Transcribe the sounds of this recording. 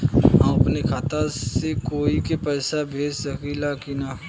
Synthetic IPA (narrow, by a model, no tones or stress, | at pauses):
ãɐpnekʰaːt̪asekoːikepɛːsabʱeːd͡ʒsəkilakina